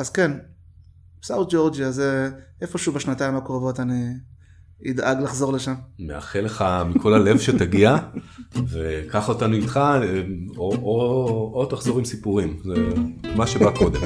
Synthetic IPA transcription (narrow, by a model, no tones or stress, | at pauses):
azken | bsawt̪̚d͡ʒo̞ʁd͡ʒiazeefo̞ʃubeʃnataimakʁovo̞taniː | d̪ʔaɡlaχzo̞ʁle̞ʃammḛa̰χeleχamikʰo̞lale̞vʃetaɡia | vekaχotanuitχa | oʔoot̪aχzoʁimsipuʁimzemaʃebako̞d̪em